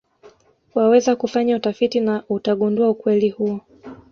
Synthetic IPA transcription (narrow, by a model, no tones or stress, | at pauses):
wawɛzakufaɲautafitinautaɠunduaukwɛlihuɔ